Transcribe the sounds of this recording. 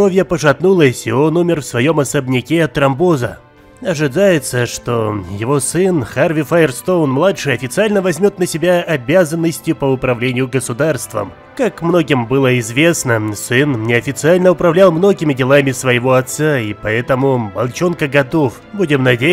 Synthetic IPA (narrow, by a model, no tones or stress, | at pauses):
ovʲjəpəʂɐt̪nulˠəsʲɪo̞numʲɪrfsvɐjo̞mɐsəbnʲɪkʲeɐt̪ɾɐmbozə̰ | ɐʐɨd̪ajɪt̪səʂt̪o̞jɪvo̞sɨnxarvʲɪfaɪrst̪o̞wnmlˠatʂɨjɐfʲɪt̪sɨalʲnəvɐzʲmʲot̪nəsʲɪbʲaɐbʲazənːəsʲtʲjʊpəʊpɾɐvlʲenʲɪjʊɡəsʊd̪arst̪və̰m | kakmno̞ɡʲɪmbɨlˠəɪzvʲe̞snəsɨnnʲɪɐfʲɪt̪sɨalʲnəʊpɾɐvlʲalˠmno̞ɡʲɪmʲɪdʲɪlˠamʲɪsvəjɪvo̞ɐt̪saipɐɛt̪əmʊbɐlˠt͡ɕonkəɡɐt̪o̞f | budʲɪmnɐdʲe